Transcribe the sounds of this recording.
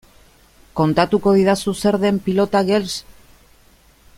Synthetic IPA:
ko̞nt̪at̪uko̞ðiðasuse̞ɾðe̞mpilo̞t̪aɣels

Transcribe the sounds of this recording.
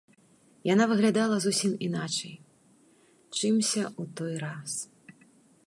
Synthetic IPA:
janavɨɣlʲad̪alˠɐzusʲiminat͡ʂɐj | t͡ʂɨmsʲɐut̪ɔjɾas

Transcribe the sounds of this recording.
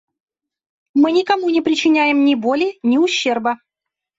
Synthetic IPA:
mɨnʲɪkɐmunʲɪpɾʲɪt͡ɕɪnʲæjɪmnʲɪbolʲɪnʲɪʊɕːerbə

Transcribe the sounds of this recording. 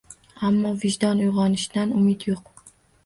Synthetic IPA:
amːɒvɪʒd̪ɒnʊjʁɑnɪʃd̪anʊmɪt̪joq

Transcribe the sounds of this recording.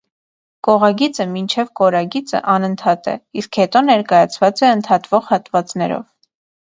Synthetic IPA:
kɔʁɑɡit͡səmint͡ʃʰɛvkɔɾɑɡit͡sə̰ʔɑnənt̪ʰɑt̪ɛ̰iskhɛt̪ɔnɛɾkɑjɑt͡sʰvɑt͡sɛənt̪ʰɑt̪vɔʁhɑt̪vɑt͡snɛɾɔ̰v

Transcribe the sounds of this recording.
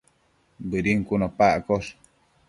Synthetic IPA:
bɨɾiŋkunapaʔkos

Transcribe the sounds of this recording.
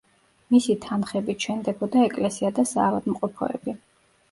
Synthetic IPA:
misit̪ʰanχɛbit͡ʃʰɛnd̪ɛbɔd̪aɛkʼlɛsiad̪asa̰ːvad̪mqʼɔpʰɔ̰ɛ̰bi

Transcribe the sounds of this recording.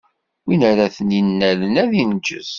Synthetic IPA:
winəɾaθəninːælənæðint͡ʃːə̰s

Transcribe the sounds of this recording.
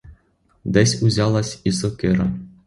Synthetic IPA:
d̪ɘ̆sʲuzʲɑlˠɑsʲisokʲɘɾʲɘ̰̆

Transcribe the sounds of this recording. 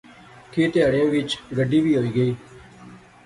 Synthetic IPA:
kʰeːt̪ɪjaːɽɪjãːʋɪt͡ʃɡəɖiːʋiːɦoːiːɡəiː

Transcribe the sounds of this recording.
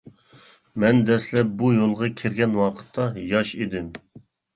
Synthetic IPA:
mɛnd̪ɛslɛp̚bujolˠʁɑkʲʰɪɾɡʲɛnwɑqʰə̥t̪ʰːɑjɑʃed̪ɪm

